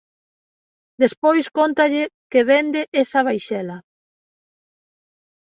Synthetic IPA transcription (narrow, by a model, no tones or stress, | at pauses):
d̪espojskont̪ɐʎɪkeβend̪eʔesɐβ̞ajʃɛlɐ